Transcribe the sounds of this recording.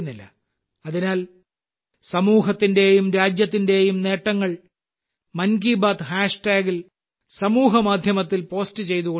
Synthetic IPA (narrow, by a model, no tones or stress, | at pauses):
nːilːɐ̰ | ɐðinaːl | sɐmuːɦɐt̪ːinde̞jumɾaːd͡ʑjɐt̪ːinde̞jumne̞ːʈːɐŋːɐɭ | mɐnɡiːbaːt̪ɦaːʂʈaːɡil | sɐmuːɦɐmaːd̪ʱjɐmɐt̪ːilpo̞ːstɨt͡ɕe̞jt̪uɣo